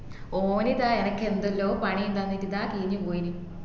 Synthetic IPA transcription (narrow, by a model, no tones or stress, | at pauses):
oːniðaːenɐkːe̞nd̪ɐlːoːpɐɳijumt̪ɐnːit̪ːid̪aːkiːnupoːjini